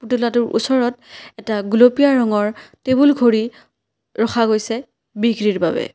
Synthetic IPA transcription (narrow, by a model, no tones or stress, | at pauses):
putulatʊɹʔṵsɔɹɔt̚ɛtaɡulopijaɹɔŋɔɹtebulɡʱoɹi | ɹɔxʰaɡojsɛ | biɡɹiɹba̰bɛ̰